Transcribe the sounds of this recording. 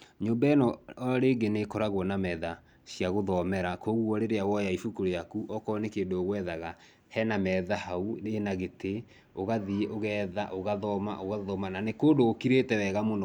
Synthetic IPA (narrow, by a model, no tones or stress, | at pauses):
ɲoːmbaɛnɔɾeːɡenekɔɾaɣwɔnamɛða | ɕjaɣoðɔmɛɾakoɣuɔɾeɾeawɔjaifukoɾojakuʔɔkɔnekeːndoːɣwɛðaɣa | hɛnamɛðahauenaɣete | oɣaðieʔoɣɛːðaʔoɣaðɔma̰ʔoɣaðɔmananekoːndoːkiɾetɛwɛɣamonɔ